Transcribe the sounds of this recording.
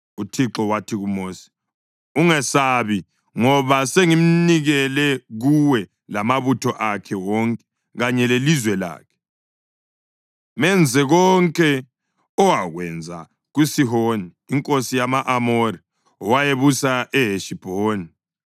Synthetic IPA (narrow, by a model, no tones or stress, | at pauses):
utʰiǁɔwatʰiɣumoːsi̥ | uŋɛsaβi | ŋɔβaseŋim̩niɣɛlɛɣuwɛ | lamaβutʰɔʔakʰɛwɔŋkʼɛ̥ | ɣaɲɛlelizwɛla̰ːkʰɛ̥ | mɛnd͡zʱɛɣɔŋkʼɛ | ɔwaɣwɛ̰nd͡zʱa̰ | ɣusiɦoniːŋkʼosijamaʔamoɾi | ɔwajeβusaʔɛɦeʃib̥ʱoːni